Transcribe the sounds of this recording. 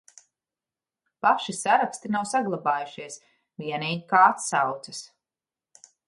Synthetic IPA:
paʃisaɾakst̪inawsaɡlˠabaːjuʃiɛs | viɛniːɡikaat̪sawt̪sɐs

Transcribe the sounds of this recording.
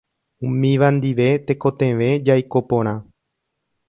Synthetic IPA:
ũmĩʋãnd̪iʋe̞t̪e̞ko̞t̪ẽʋe̞d͡ʒajko̞põ̞ɾ̃ã

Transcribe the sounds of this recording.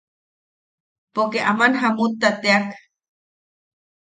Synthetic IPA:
pokeʔamanɦamut̪ːat̪eak

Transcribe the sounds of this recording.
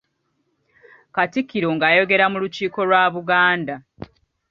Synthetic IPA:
katikːiɾo̞ŋɡaːjo̞ɡe̞ɾamuluciːko̞lwaːβuɡaːnda

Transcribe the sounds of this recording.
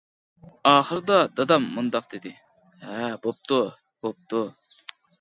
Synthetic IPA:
ɑːχəɾɨd̪ɑd̪̥ɑd̪ɑmːund̪ɑq̚d̪ed̪ɪ | hɛbop̚t̪u | b̥op̚t̪u

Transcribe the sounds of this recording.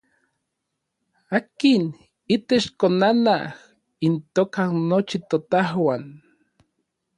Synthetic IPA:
akin | it̪et͡ʃkonanah | int̪oːkanot͡ʃit̪ot̪ahwan

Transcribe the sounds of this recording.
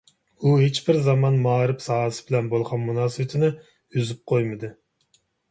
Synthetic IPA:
uɦet͡ʃbɪɾzɑmɑnmɑːɾɨpsɑɦɨsɪbɪlɛnbolˠʁɑnmunɑːsɨwɪt̪ʰɪnɪ | yzyp̚qʰojmɨd̪ɨ

